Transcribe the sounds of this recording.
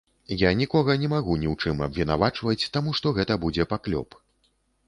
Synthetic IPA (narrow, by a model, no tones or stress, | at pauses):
janʲikɔɣɐnʲɛmaɣunʲiwt͡ʂɨmɐ̰bvʲinavat͡ʂvɐt͡sʲt̪amuʂt̪ɔɣɛt̪ɐbud͡zʲɛpaklʲɔ̰p